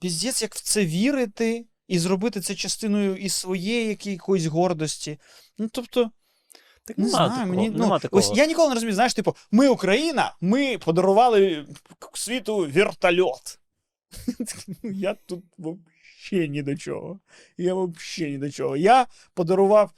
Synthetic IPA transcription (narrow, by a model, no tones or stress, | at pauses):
pʲizʲdʲɛt̪sʲjɐkw̥t̪sɛʋʲiɾɪt̪ɪ | izɾɔbɪt̪ɪt̪sɛt͡ʃɐst̪ɪnɔjʊʔissʋɔjejijɐkʲijɐkɔjʊs̬ʲɦɔrd̪ɔsʲtʲi | nut̪ɔpt̪ɔ | t̪knʊnajʊmenʲinuɔsjanʲikɔlˠneɾɔzʊmʲijzajɪʃt̪ɪpɔmɪʊkɾɐjinɐmɪpɔd̪ɔɾʊʋɑlˠɪksʲʋʲit̪ʊʋʲirt̪ɐlʲɔt̪ | jat̪ut̪̚ʋɔp | ʃɛnʲid̪ɔt͡ʃɔ̰ɦɔ | jaʋɔpʃɛnʲid̪ɔt͡ʃɔ̰ɦɔja | pɔd̪ɔɾʊʋɑw